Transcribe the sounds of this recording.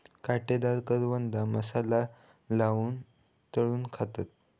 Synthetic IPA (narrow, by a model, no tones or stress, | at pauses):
kaʈed̪aɾkəɾʋənd̪aməsala | laʋuːn | t̪əɭuːnkʰat̪at̪̚